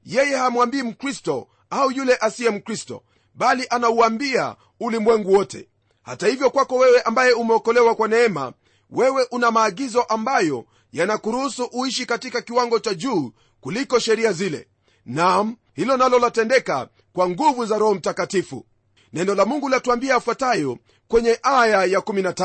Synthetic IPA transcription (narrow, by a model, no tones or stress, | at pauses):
jɛjɛhamwambiːm̩kɾistɔ | aujulɛʔasiɛm̩kɾistɔ̰ | ɓaliʔanauambia̰ | ulimwɛŋɡuwɔtʰɛ̰ | ha̰tahivjɔkwakɔwɛwɛʔambajɛumɛɔkɔlɛwakwanɛɛma̰ | wɛwɛʔunamaːɡizɔʔambajɔ | janakuɾuhusuʔuiʃikatikakiwaŋɡɔt͡ʃaʄuː | kulikɔʃɛɾiazilɛ̰ | nam̩ | hilɔnalɔlatɛndɛka̰ | kwaŋɡuvuzaɾɔhɔm̩takatifṵ | nɛnɔlamuŋɡulatuambiaːfwatajɔ | kwɛɲɛʔajajakuminata